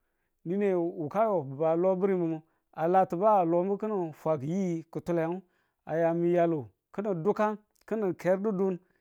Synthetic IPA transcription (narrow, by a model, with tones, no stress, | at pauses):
ni˦ne˨u˨ka˦jo˨ba˨lo˦bu˦ɾi˦mu˨mu˦ | a˨la˨tu˨ba˦˨lo˨mbə˦kə˦nə˨fʷa˨ɡji˦kə˨tu˦la˨˦u˦ | a˨ja˨mi˨ja˨lo˨ | kə˦nə˨du˦ka˦ | kə˦nə˨ke˨˦ɾdu˦du˦n